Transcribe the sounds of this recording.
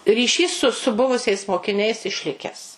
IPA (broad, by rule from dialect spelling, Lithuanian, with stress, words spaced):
rʲiːˈʃʲiːs sʊ sʊ ˈbʊʋʊsʲɛɪs moːkʲɪˈnʲɛɪs ɪʃʲˈlʲɪkʲɛs